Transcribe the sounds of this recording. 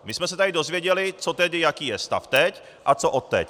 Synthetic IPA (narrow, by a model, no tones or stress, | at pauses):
mɪsmɛsɛt̪adɪdo̞zvjɛɟɛlɪt͡sot̪ɛdɪjakiːjɛst̪a̰ft̪ɛc | ʔat͡soʔot̪ːɛ̰c